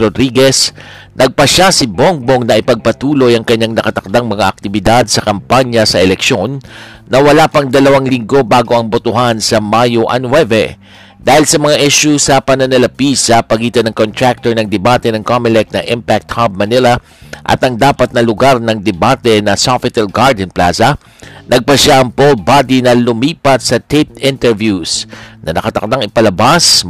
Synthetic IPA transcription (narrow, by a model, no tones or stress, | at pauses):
ɾod̪ɾiɡɛs | nʔɐɡ̚pɐʃasɪboŋboŋnɐʔɪpɐɡ̚pɐt̪uːlo̞jɐŋkɐɲːaŋnɐkɐt̪ɐk̚d̪aŋmɐŋaʔɐk̚t̪ɪbɪd̪ad̪̚sɐkɐmpaɲɐsɐʔɛlɛkʃo̞nː | ɐwɐlapɐŋd̪ɐlɐwaŋlɪŋɡo̞baːɡo̞ʔɐŋbot̪ʊɦansɐmajoʔɐ̰nwɛvɛ̰ | d̪̥aːhɪlsɐmɐŋaʔɛʃʊsɐpɐnɐnɐlɐpisɐpɐɡiːt̪ɐnɐŋkont̪ɾak̚t̪oɹnɐŋd̪ɛbaːt̪ɛnɐŋkomɪlɛk̚nɐ̰ʔɪmpak̚t̪̚hab̚mɐniɾɐ | ʔɐ̰t̪ɐŋd̪aːpɐt̪̚nɐlʊɡaɾnɐŋd̪ɛbat̪ɛnɐsafɪt̪ɐlɡaɹd̪ɛnpla̰sɐ | nʔɐɡ̚pɐʃaʔɐŋpol̚bad̪inɐlʊmiːpɐt̪̚sɐt̪ep̚ɪnt̪ɛɹvjusnɐnɐkɐt̪ɐk̚t̪aŋɪpɐlɐbas